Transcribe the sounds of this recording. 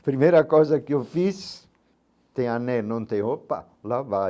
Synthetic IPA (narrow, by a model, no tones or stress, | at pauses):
pɾimejɾɐkojzɐkɪewfis | t̪ẽj̃anɛnɐ̃w̃t̪ẽj̃hopa̰ | lava